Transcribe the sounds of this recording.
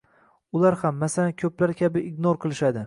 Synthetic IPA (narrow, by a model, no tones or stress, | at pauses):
ʊlaɾhamːasalankʲʰɵplaɾkʲʰabɪɪɡnoɾqʰɨlˠɪʃad̪ɪ